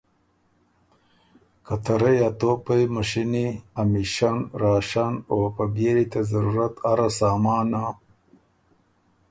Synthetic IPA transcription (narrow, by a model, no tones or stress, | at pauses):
kɐt̪ɐɾɐjat̪opɐjmɐɕiniamiʃanɾaːʃanopɐbeɾit̪ɐzɐɾuɾɐt̪aɾasaːmaːna